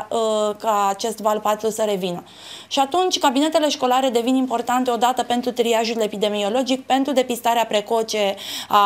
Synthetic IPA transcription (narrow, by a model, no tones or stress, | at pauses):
kaːt͡ʃe̞st̪valpat̪susəɾe̞vinə | ʃiat̪unt͡ʃʲkabine̞t̪e̞le̞ʃko̞laɾe̞d̪e̞vinimpo̞rt̪ant̪eod̪at̪əpe̞nt̪ɾut̪ɾiaʒule̞pid̪e̞mio̞lo̞d͡ʒikpe̞nt̪ɾud̪e̞pist̪aɾeapɾe̞ko̞t͡ʃe̞a